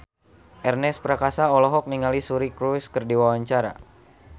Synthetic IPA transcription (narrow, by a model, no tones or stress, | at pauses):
ʔɛrnɛspɾakasaɔlɔɦɔk̚niŋalisuɾikɾuskərdiwawaɲt͡ʃaɾa̰